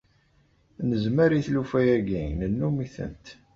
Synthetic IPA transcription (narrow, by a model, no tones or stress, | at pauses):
nəzməɾiθlufæjæɡinənːumiθə̰nt̪